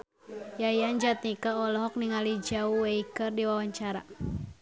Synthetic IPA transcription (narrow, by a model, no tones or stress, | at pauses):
jajand͡ʒat̪̚nikaɔlɔɦɔk̚niŋalid͡ʒauweikɨrdiwawaɲt͡ʃaɾa̰